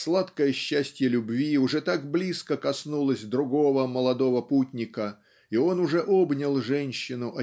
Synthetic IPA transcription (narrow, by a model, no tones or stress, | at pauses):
slˠat̪kəjəɕːæsʲtʲjəlʲʊbvʲiʊʐɛt̪aɡblʲiskəkɐsnulˠəsʲd̪ɾʊɡo̞vəməlˠɐd̪o̞vəputʲnʲɪkə | io̞nʊʐɛʔobnʲɪlˠʐɛnʲɕːɪnʊʔɐ